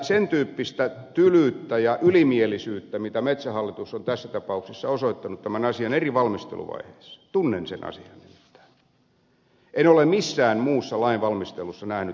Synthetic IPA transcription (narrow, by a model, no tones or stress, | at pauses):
sent̪yːpːist̪æt̪ylyˑt̪ːæjɑʔylimielisyːt̪ːæmit̪æmet̪sæhɑlːit̪usːont̪æsːæt̪ɑpɑuksisːɑosoit̪ːɑnut̪t̪æmænɑsiɑneriʋɑlmist̪ḛlṵʋɑ̰ihḛːsːɑ̥t̪unːensḛnʔɑ̰siɑnnimmit̪ːæ̥ː | enolemisːæːnmuːsːɑlɑinʋɑlmist̪elusːɑnæhny